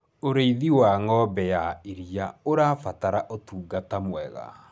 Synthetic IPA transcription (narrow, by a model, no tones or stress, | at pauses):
oɾeiðiwaŋɔːbɛjaeɾiaoɾafataɾaʔotuːɡatamwɛɣa̰